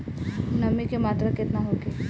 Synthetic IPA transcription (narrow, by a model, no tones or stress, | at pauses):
nəmikemat̪ɾəket̪naɦoke